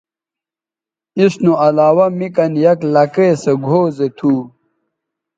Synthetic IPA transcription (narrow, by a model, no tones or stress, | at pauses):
isnuɐlaːwɐmikɐnjɐklɐkeseɡʱoːzet̪ʰuː